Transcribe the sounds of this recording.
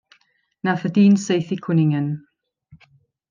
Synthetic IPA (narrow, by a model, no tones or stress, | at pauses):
nafədiːnsejθikʰwɪnɪŋən